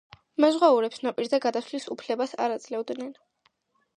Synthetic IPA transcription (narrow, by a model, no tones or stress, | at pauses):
mazʁauɾɛpsnapʼiɾd̪aɡad̪aslisupʰlɛbasa̰ɾad̪zʼlɛvd̪nɛn